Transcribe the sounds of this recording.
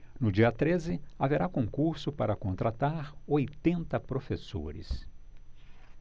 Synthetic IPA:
nʊd͡ʒiɐt̪ɾezɪaveɾakõŋkuɾsʊpaɾɐkõnt̪ɾat̪aɾojt̪ẽnt̪ɐpɾofeso̰ɾɪ̰s

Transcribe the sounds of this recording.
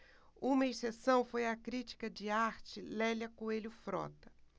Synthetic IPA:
ũmɐesesɐ̃w̃fojɐkɾit͡ʃi̥kɐd͡ʒɪaɾt͡ʃɪlɛlɐkoelʊfɾɔ̰t̪ɐ̥

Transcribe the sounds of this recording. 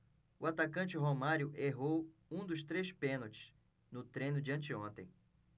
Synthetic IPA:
ʊat̪akɐ̃nt͡ʃɪɦomaɾjʊʔeɦowũd̪ʊst̪ɾespẽnot͡ʃɪ̥s | nʊt̪ɾẽnʊd͡ʒiɐ̃nt͡ʃɪõnt̪ḛ̃j̃

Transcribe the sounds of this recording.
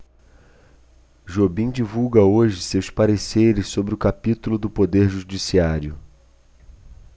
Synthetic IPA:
ʒobĩd͡ʒivuwɡɐoʒɪsewspaɾeseɾɪssobɾɪʊkapit̪ulʊd̪ʊpod̪eɾʒuʒd͡ʒisiaɾiʊ

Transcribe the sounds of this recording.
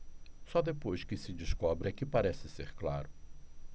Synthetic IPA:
sɔd̪epojskɪsɪd͡ʒɪskɔbɾɛkɪpaɾɛsɪseɾklaɾʊ

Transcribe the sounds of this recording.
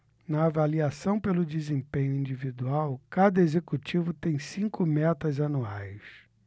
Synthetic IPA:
nɐːvaliasɐ̃w̃pelʊd͡ʒizẽmpẽɲʊĩd͡ʒivid̪uawkad̪ɐezekut͡ʃivʊt̪ẽj̃sĩŋkʊmɛt̪ɐzanuajs

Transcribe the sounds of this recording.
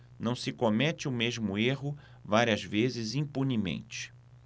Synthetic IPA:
nɐ̃w̃sɪkomɛt͡ʃɪʊmeʒmʊeɦʊ | vaɾiɐzvezɪzĩpunimḛ̃nt͡ʃɪ̥

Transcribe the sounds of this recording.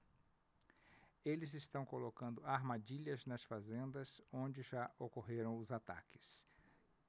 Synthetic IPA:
elɪzɪst̪ɐ̃w̃kolokɐ̃nd̪ʊaɾmad͡ʒiʎɐznɐsfazẽnd̪ɐzõd͡ʒɪʒaʔokoɦeɾɐ̃w̃ʊzat̪a̰kɪ̥s

